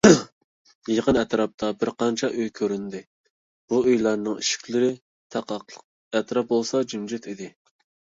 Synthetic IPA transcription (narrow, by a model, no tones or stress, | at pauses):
jeqənɛt̪ɾɑp̚t̪ʰɑbɪɾqɑnt͡ʃʰɑʔøjkʲʰøɾynd̪ɪ | b̥uøjlˠɑɾnɨŋiʃi̥kʲʰlɪɾɪ | t̪ʰɑqɑqləq | ɛt̪ɾɑp̚bolˠsɑd͡ʒymd͡ʒɛt̪id̪ɪ